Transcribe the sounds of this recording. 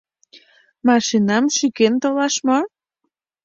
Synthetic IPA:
mɑʃinɑmʃikent̪olɑʃmɑ

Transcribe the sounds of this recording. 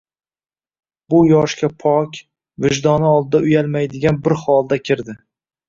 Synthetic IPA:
bʊjɒʃkʲapʰɒkʲ | vɪʒd̪ɒnɪɒlˠd̪ɪd̪aʊjalmajd̪ɪɡʲanbɪɾhɒlˠd̪akʲʰɪɾd̪ɪ

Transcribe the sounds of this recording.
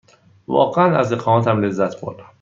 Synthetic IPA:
vɒ̰ːɢeænæ̰zeqʰɒːmɒːt̪ʰæmle̞zːæt̪ʰbo̰ɾd̪æm

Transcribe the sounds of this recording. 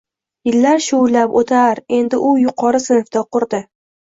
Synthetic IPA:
jɪlːaɾʃʊlapot̪ʰaɾe̞nd̪ɪʔʊjʊqʰɒɾɪsɪnfd̪aqʰʊɾd̪ɪ

